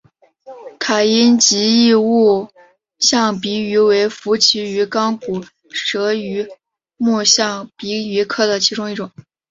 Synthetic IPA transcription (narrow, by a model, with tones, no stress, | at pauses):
k̪ʰa˨˩i˥nt͡ɕi˧˥i˥˧u˥˩ | ɕjɑ˥˩ŋpi˧˥y˧˥we˧˥ɪfu˧˥t͡ɕʰi˧˥y˧˥kɑ˥ŋpu˨˩ | ʂɤ˧˥y˧˥ | mu˥˧ɕjɑ˥˩ŋpi˧˥y˧˥kʰɤ˥˩d̪ə˩t͡ɕʰi˧˥ʈ͡ʂʊ˥ŋi˥˩ʈ͡ʂʊ˨˩˦ŋ